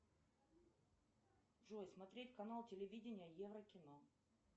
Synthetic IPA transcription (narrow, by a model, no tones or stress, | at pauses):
ʐojsmɐt̪ɾʲetʲkɐnalˠtʲɪlʲɪvʲidʲɪnʲɪjəjevɾəkʲɪno